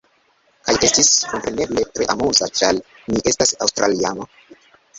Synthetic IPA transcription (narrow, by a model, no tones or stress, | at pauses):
kajʔe̞stiskompɾe̞ne̞ble̞tɾe̞ʔamuzat͡ʃal | niʔe̞stasawstɾaliano